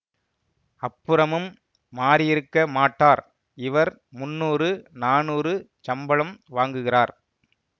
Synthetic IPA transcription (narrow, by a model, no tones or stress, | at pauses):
ɐpːɯɾɐmɯmː | aːɾɪjɪɾɯkːɐmaːʈːaːɾ | ɪʋɐɾ | mʊnːuːrɯnaːnuːrɯ | t͡ʃɐmbɐɭɐmʋaːŋɡɯɣɪraːɾ